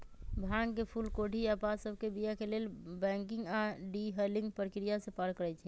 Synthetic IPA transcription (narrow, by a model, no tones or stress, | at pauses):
bʱãŋɡkepʰulkoʈiapasəbʱkebijakelelbɛ̃ŋkĩŋɡaɖiɦəlĩŋɡpəɾkɾijasepaɾkːəɾɛt͡ʃʰɛ